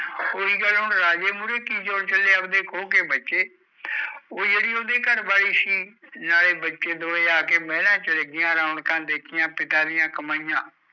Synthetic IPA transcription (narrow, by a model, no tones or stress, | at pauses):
oːiːɡəlɦʊɳɾaːd͡ʒeːmuːɾeːkiːt͡ʃoːɽt͡ʃəleːəbd̪eːkʰoːkeːbətːʃeː | oːd͡ʒeːɽiːoːd̪eːkəɾbaːɽiːsiːnaːleːbətːʃeːd̪oːeːaːkeːmɛ̃ːlãːt͡ʃəleːɡɪjãːɾãːʊɳkãːd̪eːkʰɪjãːpɪt̪aːd̪ɪjãːkəmaːijãː